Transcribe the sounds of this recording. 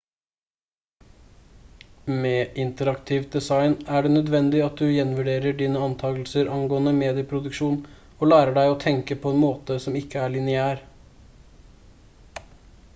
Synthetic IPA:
meːʔɪnt̪əɾɑkt̪ʰɪʋd̪ɛsɑɪnæɖeːnœd̪ʋɛnd̪ɪɑt̪̚d̪ʉjɛnʋʉɖeːɾəɖiːnəɑnt̪ʰɑːɡlsəɾʔɑŋɡoːənəmeːd̪ɪəpʰɾʊd̪ʉkʃuːn | oːlæːɾəɖæɪɔːt̪ʰɛŋkəpʰɔɛnmoːt̪əsɔmɪkːəæɭɪnɪæːɾ

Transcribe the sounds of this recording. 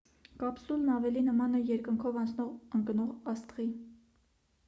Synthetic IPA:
kɑpsulnɑvɛlinəmɑnɛjɛɾkəŋkʰɔvɑnt͡sʰnɔʁəŋknɔʁɑst̪ʁi

